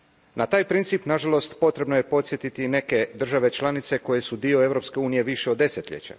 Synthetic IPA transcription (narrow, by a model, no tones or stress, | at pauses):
nat̪aːjpɾint̪siːpnaʒalo̞st̪po̞t̪ɾe̞bnoje̞po̞t̪sje̞t̪it̪ine̞ke̞d̪r̩ʒaʋe̞t͡ʃlˠanit̪se̞ko̞je̞sud̪io̞e̞vɾo̞pske̞uːnije̞ʋiʃeod̪ːe̞set̪ʎʲḛt͡ɕa̰